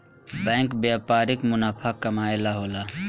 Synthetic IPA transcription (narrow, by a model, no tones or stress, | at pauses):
bɛ̃ŋkbjapaɾikmunapʰakːəmaelaɦola